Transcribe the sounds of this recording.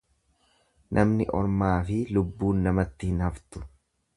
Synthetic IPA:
nʔɐmnɪʔɔ̰ɾmaːfɪlʊbːuːnːɐmɐt̪ːɪhɪnhɐft̪ʊ̥

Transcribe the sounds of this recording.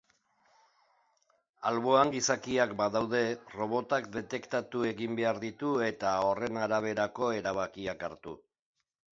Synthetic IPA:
alβo̞aŋɡisakiakbaðawðe̞ro̞βo̞t̪ak̚d̪e̞t̪e̞kt̪at̪ue̞ɣimbe̞aɾðit̪ue̞t̪ao̞re̞naɾaβ̞e̞ɾako̞e̞ɾaβ̞akiakaɾt̪ṵ

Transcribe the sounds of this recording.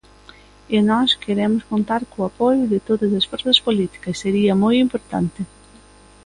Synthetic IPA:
enɔskʰeɾɛmʊskont̪aɾkuɐpojuðɪt̪oðɐzɐsfoɾθɐspolit̪i̥kɐsːeɾiɐmojimpoɾt̪a̰nt̪ɪ

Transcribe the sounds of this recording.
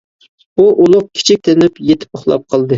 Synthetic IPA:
buʔulˠʊq̚kʲʰi̥t͡ʃʰik̚ʲt̪ʰenɪpjet̪ʰɪ̥pʊχlˠɑ̰p̚qʰəlˠd̪ɨ

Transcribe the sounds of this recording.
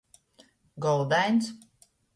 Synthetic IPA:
ɡɔlˠd̪æjns

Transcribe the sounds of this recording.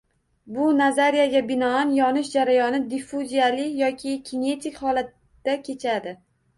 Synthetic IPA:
bʊnazaɾijaɡʲabɪnɒanjɒnɪʃd͡ʒaɾajɒnɪd̪ifuzijalɪjɒkʲʰɪkʲʰine̞t̪ʰɪkʲhɒlat̪ːakʲʰe̞t͡ʃʰad̪ɪ

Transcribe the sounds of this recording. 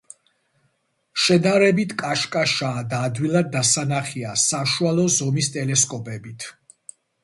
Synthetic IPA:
ʃɛd̪aɾɛbit̪ʰkʼaʃkʼaʃaːd̪aːd̪wilˠad̪̚ːasanaχiasaʃualˠɔzɔmist̪ʼɛlɛskʼɔpʼɛbit̪ʰ

